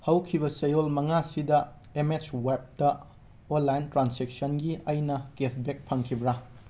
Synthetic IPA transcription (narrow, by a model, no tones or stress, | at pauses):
hɐwkʰibɐsejolmɐŋasidɐ | emet͡ʃwep̚tɐ | olːajntɾansek̚sɐnɡiɐjnɐketʰbek̚pʰɐŋkʰibɾa